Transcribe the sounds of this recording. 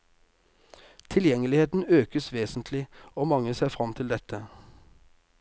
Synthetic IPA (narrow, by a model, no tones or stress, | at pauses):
t̪ʰɪljɛŋəlɪheːt̪n̩øːkəsʋeːsn̩t̪ʰlɪoːmɑŋəseːfʁɑmt̪ʰɪld̪ɛt̪ʰə